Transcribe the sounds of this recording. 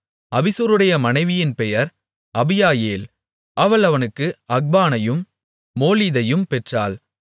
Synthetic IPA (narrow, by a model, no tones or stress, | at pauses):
ɐbɪsuɾɯɽɐjɐmɐnɐɪʋɪjɪnpɛjɐɾ | ɐbɪjaːjeːl | ʔɐʋɐɭɐʋɐnɯkːɯɐɡ̚baːnɐjɯmː | oːliðɐjɯmpɛʈraːl